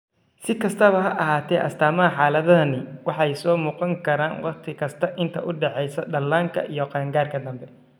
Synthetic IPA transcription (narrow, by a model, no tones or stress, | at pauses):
sɪkʰɐst̪ʰɐβɐɦɐʔɐɦaːt̪ʰɛːʔɐst̪ʰaːmɐɦɐħɑːlɐðɐðɐnɪwɑħɑjsɔːmuːqɑŋkʰɐɾaːnwɑ̰χt̪ʰɪkʰɐst̪ʰɐʔɪnt̪ʰɐ̰ʔʊɖɛħɛjsɐɖɐlːaːŋkʰɐ̰ʔijɔqɑŋɡaːrkʰɐd̪ɐmbɛ